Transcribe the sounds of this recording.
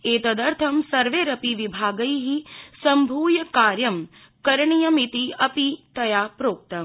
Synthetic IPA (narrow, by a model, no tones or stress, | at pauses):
eːt̪ɐd̪ɐɾt̪ʰɐmsɐɾʋeːɾɐpiʋibʱaːɡɐjɦisɐmbʱuːjɐkaːɾjɐm | kɐɾɐɳijɐmit̪iɐpit̪ɐjaːpɾoːk̚t̪ɐ